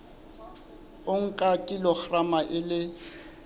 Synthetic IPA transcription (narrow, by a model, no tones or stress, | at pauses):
ʊŋ̩kʼakʼilɔk͡xramaʔɪlɪ